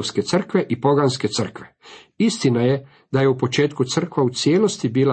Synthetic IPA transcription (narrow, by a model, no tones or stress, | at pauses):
ske̞t̪sr̩kʋe̞ʔipo̞ɡanske̞t̪sr̩kʋe̞ | ist̪inaje̞ | d̪aje̞upo̞t͡ʃe̞ːt̪kut̪sr̩kʋaut̪sjeːlo̞st̪ibiːla